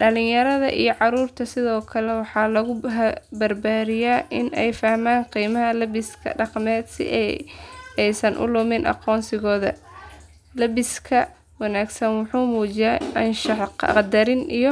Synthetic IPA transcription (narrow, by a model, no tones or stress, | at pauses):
ɖɐlɪ̃jɐɾɐðɐ̰ʔḭjɞʕɑɾuːrt̪ʰɐsɪðɔːkʰɐlɛwɑħɑːlɐɣʊɦbɐrbaːðɪjaːʔɪnɛjfɐhmaːnqiːmɐɦɐlɐbɪskʰɐ̰ɖɑqmɛːd̪sɪ̰ʔ | ɛjsɐnʔʊ̰lʊmɪnʔɑ̰qɔːnsɪɣɔːðɐ̰ | lɐβɪskʰɐ | wɑnaːɡsɐnwʊħuːmuːt͡ʃɪjɛʔɐnʃɑħqqd̪ɐɾɪnijɞ